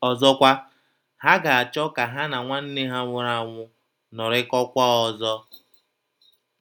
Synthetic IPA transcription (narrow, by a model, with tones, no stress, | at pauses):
ɔ˨zɔ˦kʷa˦ | ha˦ɡa˨a˨t͡ʃɔ˦ka˨ɦa˦na˨ŋʷa˦n̩˦nɪ˦ɦa˦ŋʷʊ˨˦ɾa˨ŋʷʊ˦ | nɔ˨ɾɪ˦kɔ˦kʷa˦ɔ˨zɔ˦